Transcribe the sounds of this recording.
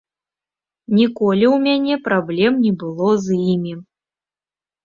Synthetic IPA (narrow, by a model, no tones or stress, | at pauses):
nʲikɔlʲiwmʲanʲɛpɾablʲɛmnʲibɨlˠɔzjimʲi